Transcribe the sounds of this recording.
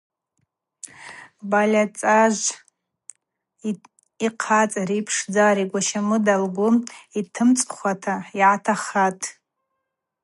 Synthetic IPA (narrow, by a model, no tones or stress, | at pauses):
balʲat͡sʼaʒʷ | iqʰat͡sʼaɾipʰʂd͡zaɾiɡʷaʃamɨdalɡʷuitʰɨmt͡sʼχʷatʰaiʕatʰaχatʼ